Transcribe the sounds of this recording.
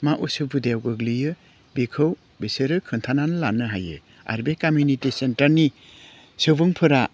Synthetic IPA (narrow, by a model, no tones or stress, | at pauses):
maʔusubud̪eawɡɯɡlijɯ | bikʰɯw | biseɾɯkʰɯntʰananɯlanɯɦajɯ̰ | a̰ɾbekamjunitisentaɾni | sɯbɯŋpʰɯɾa